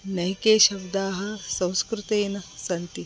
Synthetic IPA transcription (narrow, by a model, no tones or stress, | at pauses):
nɐɦikeːʃɐbd̪aːɦɐsɐ̃w̃skɾut̪eːnɐsɐnt̪i